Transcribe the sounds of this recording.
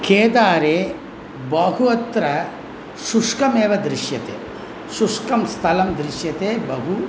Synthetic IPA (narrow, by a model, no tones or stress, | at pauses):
kʰeːd̪aːɾeː | bɐɡuɐt̪ɾɐ | ʃuʂkɐmeːʋɐd̪ɾiʃjɐt̪ḛː | ʃuʂkɐmst̪ʰɐlɐmd̪ɾiʃjɐt̪eːbɐɦu